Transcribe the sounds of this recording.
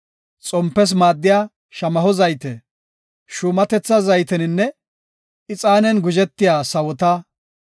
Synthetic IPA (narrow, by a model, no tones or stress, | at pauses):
t͡sʼɔmpːɛs̬maːd̪ːɪjaː | ʃɐmɐɦɔzɐjt̪ɛ | ʃʊːmɐt̪ɛt͡sːɐzɐjt̪ɛnɪnːɛ | ɪt͡sʼaːnɛnɡʊd͡ʒɛt̪ːɪjaːsɐwɔt̪a